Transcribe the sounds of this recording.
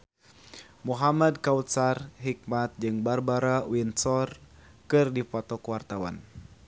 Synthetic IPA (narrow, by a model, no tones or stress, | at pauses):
muɦamad̚kawt̪sarɦik̚mat̪̚d͡ʒɨŋbarbaɾawinsɔr | kɨrdifɔt̪ɔkəwart̪awa̰n